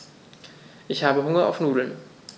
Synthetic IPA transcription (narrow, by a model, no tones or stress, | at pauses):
ʔɪçhaːbəɦʊŋɐa̰ʊfnuːdl̩n